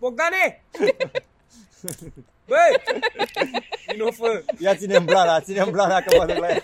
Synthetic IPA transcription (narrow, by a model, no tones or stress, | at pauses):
pok̚d̪ane | bəj | inofəjat͡sinemblanasinemblanakəmad̪əklaj